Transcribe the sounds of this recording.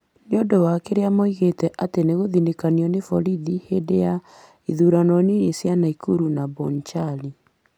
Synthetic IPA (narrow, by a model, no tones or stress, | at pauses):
neondowakeɾeamoiɣetɛʔateneɣoðinekaniɔnefɔɾiðihedeja | iðuɾanɔniɾesjanaikuɾunabɔnt͡ʃali